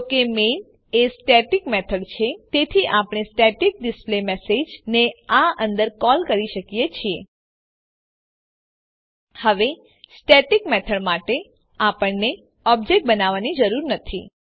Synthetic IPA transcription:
kemen | esʈeʈikmet̪ʰəɽt͡ʃʰet̪et̪ʰiʔapəɽ̃esʈeʈik̚ɖɪsplemesed͡ʒneaə̃nd̪əɾkɔlkəɾiʃəkijet͡ʃʰie | həʋe | sʈeʈikmet̪ʰəɽmaʈe | apəɳne | ɔbd͡ʒek̚ʈ̚bənaʋanid͡ʒəɾuɾnət̪ʰḭ

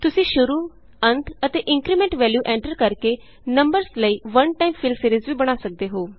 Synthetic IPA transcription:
t̪ʊsĩːʃʊɾuː | ənt̪ət̪eːʔɪ̃ŋkɾiːmɛ̃ːɳʈʋɛːljuːʔɛ̃ːɳʈəɾkəɾkeː | nəmbəɾsləiːʋənʈaːimpʰɪlseːɾizʋiːbəɽ̃aːsək̚d̪eːɦoː

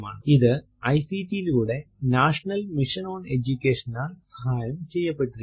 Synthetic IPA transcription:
ma̰ːɳɨiðɨ | ɐjsiːtijiluːɽe̞naːʂɐnɐlmiʂɐnoːne̞d͡ʑukʲːe̞ːʂɐnaːɭsɐhaːjɐmt͡ɕe̞jːɐpːe̞ʈːuɾi

